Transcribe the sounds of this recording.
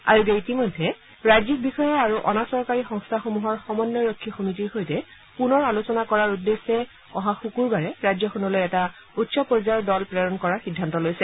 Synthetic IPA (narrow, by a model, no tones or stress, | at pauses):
a̰ɹuɡeitimojdʱːɛ | ɹajzik̚bixɔjɔaɹuʔɔnasɔɹkaɹixɔŋstʰaxomuɦɔɹxɔmɔnːɔɹokʰːixomitiɹxojtɛ | punɔɹalosɔnakɔɹaɹudːesːɛ | ɔɦaxukuɹbaɹɛɹajzjɔxɔnɔlojɛta | utsɔpɔɹzaɔdɔlpɹɛɹɔnkɔɹaɹxidʱːantɔlojsɛ